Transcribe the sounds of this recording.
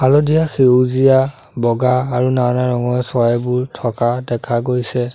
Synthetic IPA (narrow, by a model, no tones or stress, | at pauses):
alɔdijaxezija | bɔɡaːɹunanaɹɔŋɔjsɔajbʊɹtʰɔkadɛkʰaɡojsɛ